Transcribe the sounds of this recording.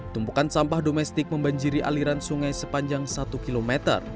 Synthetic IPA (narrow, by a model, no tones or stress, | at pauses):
t̪umpukansampahdomɛst̪ɪk̚məmbaɲd͡ʒiɾiʔa̰liɾansuŋajsəpaɲd͡ʒaŋsat̪ukilomɛt̪ə̰r